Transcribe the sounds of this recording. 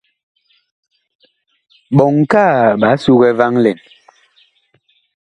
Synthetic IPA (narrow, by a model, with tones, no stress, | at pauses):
ɓɔ˨ŋkaː˦˨ɓa˨˦su˦ɣɛ˦va˦ŋlɛ˨n